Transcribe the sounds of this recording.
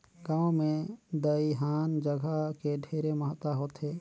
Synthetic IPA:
ɡãːwmẽd̪əiɦaːnd͡ʒəɡʱakeɖʱeɾeməɦət̪aɦoːt̪ɦeː

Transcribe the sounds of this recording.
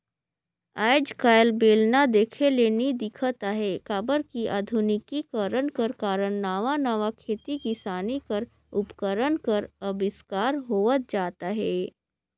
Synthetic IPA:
aːɪd͡ʒkaːjlbeːlnad̪eːkʰeleːnid̪ɪkʰət̪aɦɛkaːbəɾkiʔaːd̪ʱʊnɪkikəɾəɳkəɾkaːɾəɳnaːʋanaːʋakʰeːt̪ikisaːnikəɾ | ʊpkəɾənkəɾɐbɪskaːɾɦoːʋət̪̚d͡ʒaːt̪aɦɛː

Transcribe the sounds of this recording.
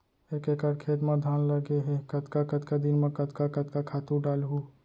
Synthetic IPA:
eːkekəɾkʰeːt̪mãd̪ʱaːnləɡeɦekət̪kakət̪kad̪inmẽkət̪kakət̪kakʰaːt̪ũɖaːlɦu

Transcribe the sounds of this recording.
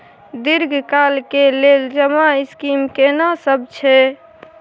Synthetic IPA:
d̪iɾɡʱkalkeleld͡ʒəmaiskimkenasəbt͡ʃʰɛ

